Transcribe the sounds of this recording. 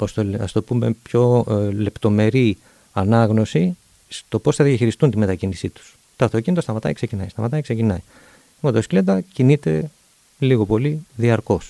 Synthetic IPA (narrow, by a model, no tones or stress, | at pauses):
post̪oɐ̰st̪o̞pume̞pço̞le̞pt̪o̞me̞ɾi | ɐnɐɣno̞si | st̪o̞po̞sθɐðiɐçiɾist̪unt̪ime̞t̪ɐcinisit̪u̥s | t̪oɐft̪o̞cinit̪osɐmɐt̪ɐ̰jkse̞cinɐjst̪ɐmɐt̪ɐjkse̞cinɐj | imot̪oskled̪ɐcinit̪e̞ | liɣo̞po̞liðiɐɾko̞s